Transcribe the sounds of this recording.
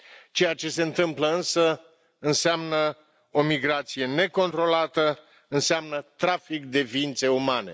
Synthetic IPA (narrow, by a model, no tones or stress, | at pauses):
t͡ʃe̞jat͡ʃe̞se̞ɨnt̪ɨmpləɨnsə | ɨnseamnə | o̞miɡɾat̪sije̞ne̞ko̞nt̪ɾo̞lat̪ə | ɨnseamnət̪ɾafikd̪e̞viːnt̪se̞umane̞̰